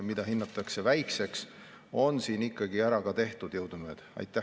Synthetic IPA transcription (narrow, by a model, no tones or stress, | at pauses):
mid̪̥ɑɦinːɑt̪ːˑɑkse̞væjkse̞ks | o̞nsiːnikːɑɡ̥iæɾɑkɑt̪e̞ht̪ud̪̥jɤwd̪̥umeːd̪̥ɑ̰jt̪ːˑæ